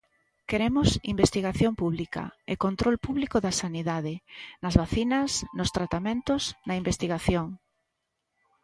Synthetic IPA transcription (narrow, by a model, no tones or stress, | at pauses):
keɾemʊsimbest̪iɣaθjoŋpuβlikɐ̰ḛkont̪ɾolpuβlikʊðɐsaniðaðɪnɐzβaθinɐsnʊst̪ɾat̪amẽnt̪ʊznɐimbest̪iɣaθjoŋ